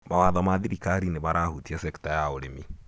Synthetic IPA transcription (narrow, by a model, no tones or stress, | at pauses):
mawaðɔmaðiɾikaɾineβaɾahutiasɛki̥tajaoɾemi